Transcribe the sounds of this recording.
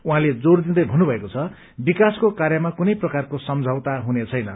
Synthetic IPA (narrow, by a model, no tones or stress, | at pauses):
uɦãled͡zord̪id̪ʌjbʱʌnːubʱʌekot͡sʰʌ | bikaskokaɾjʌmakunʌjprʌkarkosʌmd͡zʱawt̪aɦunet͡sʰʌjnʌ